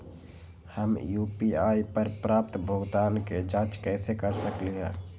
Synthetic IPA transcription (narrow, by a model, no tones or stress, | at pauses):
həmjuːpiaːipəɾpɾaːp̚t̪bʱʊɡt̪aːnked͡ʒaːt͡ʃkɛːsekəɾsəkliɦɛ̰̃ː